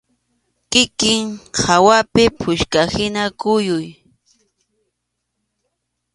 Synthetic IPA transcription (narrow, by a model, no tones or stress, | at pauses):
kɪkɪŋhawapɪpʰʊʃkahɪnakʊjʊj